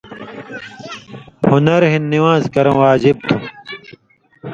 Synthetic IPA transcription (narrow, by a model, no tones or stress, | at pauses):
hunɐɾɦinːiwãːzkɐɾɐ̃waːd͡ʑib̚t̪ʰũ